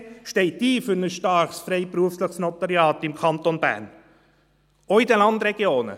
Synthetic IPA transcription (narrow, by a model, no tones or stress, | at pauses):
ʃtɛɪtːiːfyɾnəsʃtɑɾχsfɾɛɪpɾuəfsləχsnɔt̪ɑɾjɑːtɪmkʰɑnt̪onbæ̰ːɾn | oidɛnlɑnd̪ɾɛɡ̥joːnə̰